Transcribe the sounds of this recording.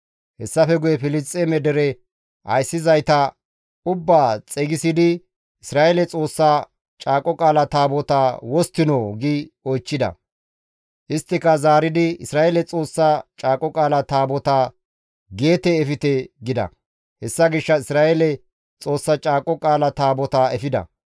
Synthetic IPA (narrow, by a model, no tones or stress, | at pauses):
hɛsːɐfɛɡʊjɛfɪlɪst͡sʼːɛmɛd̪ɛɾɛ | ʔɐ̰jsːɪzɐjt̪ɐ | ʊbːaːt͡sʼɛɡɪsɪd̪ɪ | ɪsɾaːʔelɛt͡sʼo̞ːsːa | t͡ʃʼaːkʼːɔkʼaːlɐt̪aːbɔt̪awɔst̪ːɪnoɡiɔjt͡ʃːɪd̪ɐ̰ | ʔɪst̪ːɪkɐzaːɾɪd̪ɪɪsɾaːʔelɛt͡sʼo̞ːsːat͡ʃʼaːkʼːɔkʼaːlɐt̪aːbɔt̪a | ɡe̞ːt̪ɛːfɪt̪ɛɡɪd̪ɐ̰ | hɛsːɐɡɪʃːɐɪsɾaːelɛ | t͡sʼo̞ːsːɐt͡ʃʼaːkʼɔkʼaːlɐt̪aːbɔt̪aɛfɪd̪ɐ̰